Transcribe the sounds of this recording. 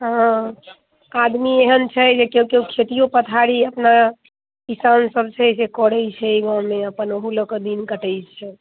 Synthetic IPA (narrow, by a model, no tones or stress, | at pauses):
ɦã | ad̪mieɦənt͡ʃʰɛd͡ʒekeukeukʰet̪ijopət̪ʰaɽiəpna | kisansəbt͡ʃʰɛsekɔɽɛjt͡ʃʰɛiɡãmeəpənoɦuləkəd̪inkəʈəjt͡ʃʰɛ